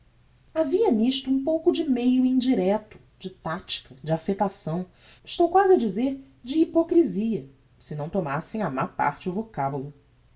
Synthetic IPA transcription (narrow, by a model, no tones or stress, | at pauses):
aviɐniʃt̪ʊũpowkʊd͡ʒɪmejʊĩd͡ʒiɾɛt̪ʊ̥ | d͡ʒɪt̪at͡ʃi̥kɐd͡ʒɪafet̪asɐ̃w̃ | ɪʃt̪owkwazɪɐd͡ʒizeɾ | d͡ʒɪːpokɾiziɐ | sɪnɐ̃w̃t̪omasẽj̃amapa̰ɾt͡ʃɪʊvokabulʊ